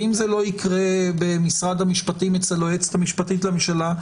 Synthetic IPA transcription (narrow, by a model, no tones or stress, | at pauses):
imzelo̞ikʁebemisʁad̪hamiʃpatimet͡seloet͡sthamiʃpatitlamiʃala